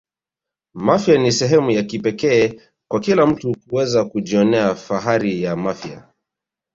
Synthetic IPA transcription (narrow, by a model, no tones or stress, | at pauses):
mafjanisɛɦɛmujakipɛkɛː | kwakilam̩tukuwɛzakuʄiɔnɛafaɦaɾijamafja̰